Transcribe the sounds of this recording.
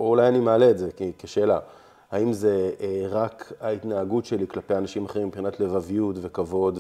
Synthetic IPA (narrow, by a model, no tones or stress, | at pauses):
ulajanimealeːtzekikeʃeːla | haimze̞ʁakait̪naːɡutʃe̞liklape̞janaʃimaχeimːipχinatle̞vavijutve̞kavo̞d̪